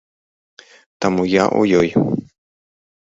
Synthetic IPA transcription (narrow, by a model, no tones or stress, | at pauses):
t̪amujaʔo̰joj